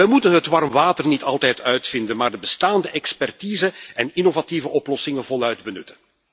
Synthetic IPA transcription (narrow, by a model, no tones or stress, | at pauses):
ɛjmutənɦətʋɑrmʋaːtərnitɑlˠtɛjtʰœɥtfɪndənmaːrdəbəstaːndəʔɛkspɛrtiːzəɛnɪnovativəʔɔplɔsɪŋəvɔlœɥdbənʏtən